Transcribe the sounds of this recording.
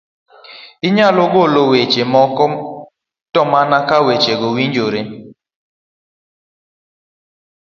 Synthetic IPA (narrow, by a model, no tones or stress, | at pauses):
ɪɲaloɡolowet͡ʃemɔkɔ | tɔmanakawet͡ʃeɡowiɲd͡ʒoɾe